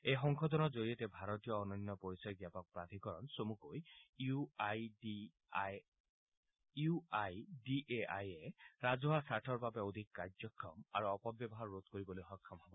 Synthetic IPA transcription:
ejxɔŋkʰɔd̪ɔnɔzoɹietɛbʱaɾɔt̪ijɔːnɔnjɔpoɹisɔjɡjapɔk̚pɹad̪ʱikɔɹɔnsomukojuajd | uajdiʔeʔa̰jeɹazɔɦasaʈʰɔɹbabɛod̪ʱikːaɹd͡ʒɔkʰːɔma̰ɹuɔpɔbjɔbɔɦaɹːot̪̚koɹibɔlojxɔkʰːɔmɦɔbɔ

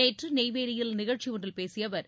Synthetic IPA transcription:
eːʈrɯneɪʋeːɽɪjɪlnɪɣɐɻt͡ʃiʊndrɪlpeːsɪjɐʋɐɾ

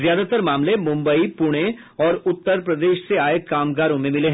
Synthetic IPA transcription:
zjaːd̪ʱat̪əɾmaːmlemʊ̃mbəipʊɽ̃ẽ | ɔːɾʊt̪ːəɾpɾɐd̪eːʃseaːekaːmɡaːɾõmẽmɪleɦ

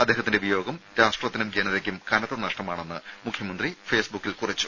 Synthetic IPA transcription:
ɐd̪ːe̞ːɦɐt̪ːindeubɐjo̞ːɡɐmɾaːʂʈrɐt̪ːinumɡeːnɐðekʲːumkɐnɐt̪ːɐnɐʂʈɐmaːɳe̞nːɨmukʰjɐmɐnd̪rife̞ːsbukːilkurɐt͡ɕːu̥

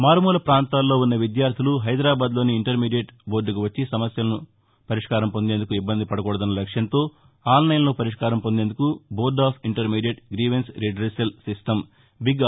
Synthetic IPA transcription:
maːɾmuːlɐpɾaːnt̪aːlːo̞ːunːɐʋid̪jaːɾt̪ʰiluɦɐjd̪ɾaːbaːd̪lo̞ːniːɳʈɐɾmiːɖijeʈboːɖukuʋɐt͡ʃːisɐmɐsjɐlɐnu | pɐɾiʂkaːɾɐmpo̞nd̪e̞ːnd̪ukuibːɐnd̪ipɐɽɐkɔːɽɐd̪ɐnːɐlɐkʂjɐnt̪o̞ː | aːlnɐjnɐlopɐɾiʂkaːɾɐmpond̪end̪ukuboːɖaːpʰiɳʈɐɾmiːɖijeʈɡɾiːʋensɾiɖɾesɐlsisʈɐm | biɡ

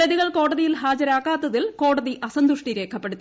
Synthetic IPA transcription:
ɐðiɣɐɭko̞ːɽɐðijilɦaːd͡ʑɐɾaːkːaːt̪ːɐðilko̞ːɽɐðiʔɐsɐnd̪uʂʈiɾe̞ːkʰːɐpːeɽut̪ːi

